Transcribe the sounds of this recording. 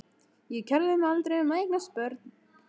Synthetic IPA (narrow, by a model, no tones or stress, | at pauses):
jɛcʰɛɾðɪmɛalt̪ɾejʏmaejknaspœɾt̪n̥